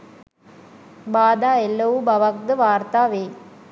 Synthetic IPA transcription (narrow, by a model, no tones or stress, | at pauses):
baːd̪aːɛlːɐwubɐʋɐk̚d̪ɯʋaːɾt̪aːʋeː